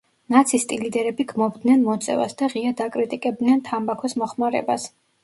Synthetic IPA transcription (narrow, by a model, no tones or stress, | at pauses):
nat̪sʰist̪ʼilid̪ɛɾɛbiɡmɔbd̪nɛnmɔt̪sʼɛ̰va̰sd̪aʁiad̪akʼɾit̪ʼikʼɛb̚d̪nɛnt̪ʰambakʰɔsmɔχmaɾɛ̰bas